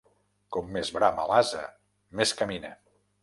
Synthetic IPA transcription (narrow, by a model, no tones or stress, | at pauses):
kɔmːezβɾamə̰lazə̰ | meskəminə